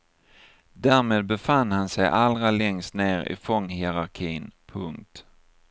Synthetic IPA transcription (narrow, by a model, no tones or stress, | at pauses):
d̪æːɾmeːd̪̚bɛfandhansɛjʔalɾalɛŋst̪neːɾɪ̰fɔŋːhɪɛɾaɾkʰiːnpʰɵŋk̚t̪